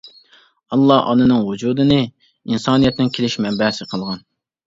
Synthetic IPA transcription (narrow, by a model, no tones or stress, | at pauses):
ɑlˠːɑʔɑ̰nɨnɨŋwud͡ʒuːd̪ɨnɨ | insɑːnijɛt̪nɪnkʲʰelɪʃmɛmbɛhsɨqʰəlˠʁɑn